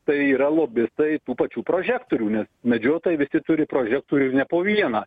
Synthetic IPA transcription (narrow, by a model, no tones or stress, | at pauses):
t̪ɐɪiːɾɐlˠoːbʲɪst̪ɐɪt̪uːpɐt͡ʃʲuːpɾoːʒʲæːkt̪oːɾʲuːnʲɛsmʲɛd͡ʒʲoːt̪oːjɛɪʋʲɪsʲɪt̪ʊɾʲɪpɾoːʒʲɛk̚t̪oːɾʲunʲɛpoːʋʲiɛnɑː